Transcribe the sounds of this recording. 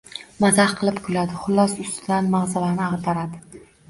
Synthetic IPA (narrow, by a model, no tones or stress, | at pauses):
mazahqʰɨlˠɪpkʰʊlad̪ɪχʊlˠːɒsʊst̪ʰɪd̪anmaʁzalaɾnɪaʁt̪ʰaɾad̪ɪ